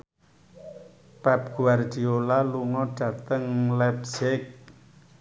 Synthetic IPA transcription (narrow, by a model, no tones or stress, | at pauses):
pɛp̚ɡ̥uard̪̥i̤olaluŋɔɖ̥ä̤t̪əŋlɛpsɪk̚